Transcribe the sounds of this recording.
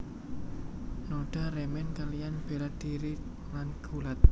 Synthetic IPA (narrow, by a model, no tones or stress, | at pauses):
noɖ̥a̤ɾɛmɛnkalijanb̥e̤lad̪̥iɾi | lanɡ̥ulat̪̚